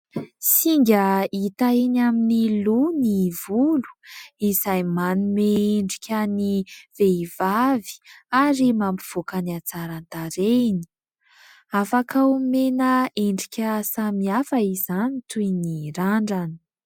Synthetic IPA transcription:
siŋɡʲəit̪aenaminilunivulu̥izajmanumeeɳɖ͡ʐikʲəniveivavi̥aɾimambiv̥okaniat͡saɾant̪aɾeni̥ | afakaumenəeɳɖ͡ʐikʲəsamiafəizanit̪ujniɾaɳɖ͡ʐanə̥

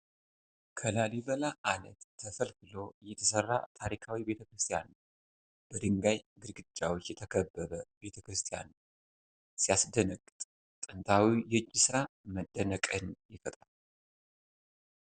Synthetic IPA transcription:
kʰəlaliβəlaʔanə̰t̪ʰːəfəlkɨlo̞jɛt̪ʰəsərːa̰t̪ʰaɾikʰawibe̞t̪ʰəkɾɨst̪ʰijan | b̥əd̪ɨŋɡajɡɨɾɡɨd͡ʒːawo̞t͡ʃːjɛt̪ʰəkʰəbːəβəbe̞t̪ʰəkɾɨst̪ʰija̰n | sijasd̪ənəɡʼɨt̪ʼ | t̪ʼɨnt̪ʰawijɛd͡ʒːisɨɾaməd̪ːənəkʼɨnjɛfət̪ʼ

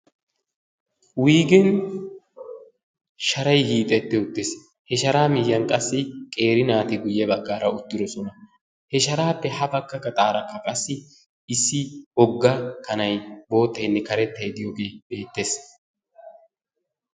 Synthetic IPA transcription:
wiːɡɛn | ʃɐɾɐjhiːt̪ʼɛt̪ːɛʊt̪ːɪs | hɛʃɐɾaːmɪjːɐnkʼɐsːɪkʼe̞ːɾɪnaːt̪ɪɡʊjːɛbɐɡːaːɾɐʊt̪ːɪd̪ɔsɔnɐ | hɛʃɐɾaːpːɛhɐbɐkːɐkːɐt̪ʼaːɾɐkːɐkʼɐsːɪ | ɪsːɪhɔɡːɐkʰɐnɐjbo̞ːt̪ːɐjnːɛkɐɾɛt̪ːɐjd̪ɪjoɡe̞ːbe̞ːt̪ːe̞ːs

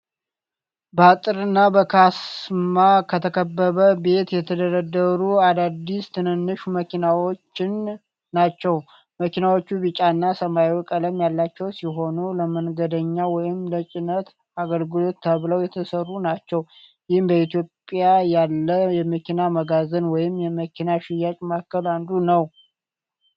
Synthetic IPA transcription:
bəat̪ʼɨɾɨnːabəkʰasmakʰət̪ʰəkʰəbːəβəbe̞t̪jɛt̪ʰəd̪əɾəd̪əɾuad̪ad̪ːist̪ʰɨnɨnːɨʃuməkʰinawo̞t͡ʃːɪnː | at͡ʃːɛw | məkinawo̞t͡ʃːuβɨt͡ʃʼanːasəmajwɔkʼələmjalːat͡ʃːɛwsiɦo̞nuləmənɡəd̪əɲːawɔjɪmlət͡ʃʼɪnət̪ | aɡəlɡɨlo̞t̪ːəβləwjɛt̪ʰəsərːunat͡ʃːɛw | jɪhnbəit̪ijo̞pʼjajalːəjɛməkʰinaməɡazənwɔjɪmjɛməkʰinaʃɪjːakʼmakːəland̪unəw

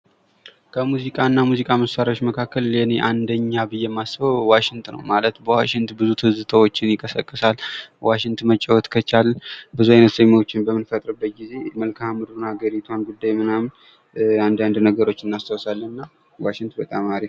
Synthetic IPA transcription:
kʰəmuzikʼanːamuzikʼaməsaɾaot͡ʃːməkʰakːəljɛne̞ʔand̪əɲːabɨjːɛmːasɨbəwwaʃɪŋt̪ʰnə̰wmalət̪bəwaʃɪŋt̪bɨzut̪ʰɨzɨt̪ʰəwot͡ʃːɪnjɪkʼəsəkʼːɨsalwaʃɪŋt̪ʰmət͡ʃʼːɛwɔt̪kʰət͡ʃalbɨzuajnət̪səɲːot͡ʃːɪnbəmːɨnfət̪ʼɾɨbːət̪̚ɡize̞məlkʰahamɨd̪ɾunhaɡəɾit̪ʰwanɡud̪ːajmɨnamn | and̪and̪nəɡəɾo̞t͡ʃːɨnːast̪ʰəwsalːənɨnːa | waʃɪŋt̪ʰbət̪ʼamaɾif

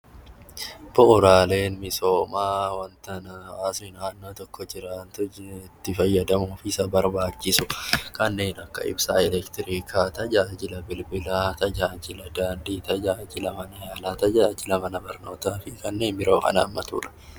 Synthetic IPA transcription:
b̥ʊʔʊɾaːle̞ːnmɪso̞ːmaːwɐnt̪ɐnɐaːsnɪnaːnːoːt̪ɔkːɔd͡ʒɪɾaːnt̪ʊt̪ːɪfɐjːɐd̪ɐmuːfɪsɐbɐɾbaːt͡ʃːɪsʊkɐnːe̞ːnɐkːɐ̰ʔɪ̰bsaːɛlɛkt̪ɪɾiːkʰaːt̪ɐd͡ʒaːd͡ʒɪlɐbɪlbɪlaːt̪ɐd͡ʒaːd͡ʒɪlɐd̪aːnd̪iːt̪ɐd͡ʒaːd͡ʒɪlɐmɐnɐjaːlaːt̪ɐd͡ʒaːd͡ʒɪlɐmɐnɐbɐɾno̞ːt̪aːfɪkɐnːe̞ːnbɪɾo̞ːkɐ̰na̰ːmːɐt̪ṵːᶑɐ̥

